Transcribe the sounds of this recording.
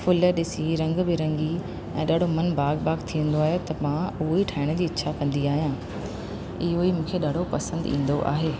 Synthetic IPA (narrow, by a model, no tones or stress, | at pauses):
fʰʊləɗɪsiɾɐ̃ŋɡbɪɾɐ̃ŋɡi | ɛ̰̃ːɗaːɖ̤ʱomɐnbaːɡbaːɡt̪ʰĩə̃n̆d̪oaːɦet̪ɐmãʊɦoiʈʰaːɪɽ̃ə̆d͡ʑiːɪtːɕʰakɐ̃nd̪iaːɦijãː | ɪɦoimũːkʰeɗaːɖ̤ɽ̤ʱopɐsə̃nd̪ḭ̃ːn̆d̪oʔa̰ːɦeː